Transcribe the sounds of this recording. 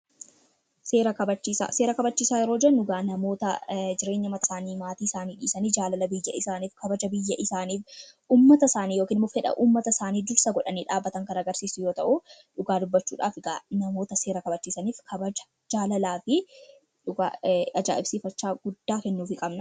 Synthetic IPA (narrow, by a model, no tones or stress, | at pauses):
seːɾɐkɐbɐt͡ʃːiːsa̰ːseːɾɐkɐbɐt͡ʃːiːsaːjɛɾo̞ːd͡ʒɛnːʊɡaːnɐmo̞ːt̪ɐd͡ʒɪɾe̞ːɲːɐmɐt̪ɐsaːniːmaːt̪iːɪsaːniːᶑḭːsɐniːd͡ʒaːlɐlɐbɪjːɐʔɪsaːniːfkɐbɐd͡ʒɐbɪjːɐʔɪsaːniːfʔuːmːɐt̪ɐsaːniːjoːkiːnɪmːʊfhɛᶑɐ̰ʔuːmːɐt̪ɐsaːniːd̪ʊɾsɐɡɔᶑɐniːᶑaːbːɐt̪ɐŋkɐnɐɡɐɾsiːsʊjo̞ːt̪ɐʔʊᶑʊɡaːd̪ʊbːɐt͡ʃːṵːᶑaːfɪɡaːnɐmo̞ːt̪ɐse̞ːɾɐkɐbɐt͡ʃːiːsɐniːfkʰɐbɐd͡ʒɐ̥ | d͡ʒaːlɐlaːfɪ | ᶑʊɡaːɐd͡ʒa̰ːʔɪb̥siːfɐt͡ʃːaːɡʊd̪ːaːkɛnːuːfɪkʼɐbnɐ